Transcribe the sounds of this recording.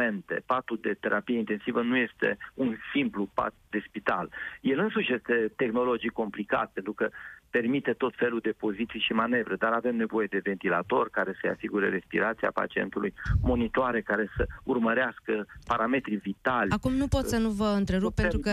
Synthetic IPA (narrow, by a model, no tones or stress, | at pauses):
e̞nt̪e̞̰pat̪uld̪e̞t̪e̞ɾʔapijeint̪e̞nsivənuje̞st̪e̞̰unsimplupa̰t̪d̪e̞spit̪alje̞lɨnsuʃje̞st̪e̞t̪e̞xno̞lo̞d͡ʒijko̞mplika̰t̪̚pe̞nt̪ɾukəpe̞rmit̪e̞t̪o̞t̪fe̞lud̪e̞po̞zit̪sijʃimane̞vɾed̪aɾave̞mne̞vo̞je̞d̪e̞ve̞nt̪ila̰t̪o̞rkaɾe̞səja̰siɡuɾe̞ɾe̞spḭɾat̪sia̰pa̰t͡ʃie̞̰nt̪ulujmo̞nit̪oaɾe̞kaɾe̞səurməɾeaskəpaɾame̞t̪ɾivit̪alʲakumnupo̞t̪sənuvəɨnt̪ɾe̞ɾup̚penuukə